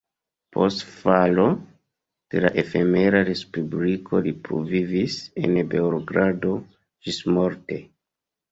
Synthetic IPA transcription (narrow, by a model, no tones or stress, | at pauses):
pʰo̞̰stfalo̞ | d̥e̞la̰ʔe̞fe̞me̞ɾaɾe̞spublikʰo̞lipɾo̰vivise̞̰nbe̞oɾoɡɾado̞ | ʒismo̞ɾte̞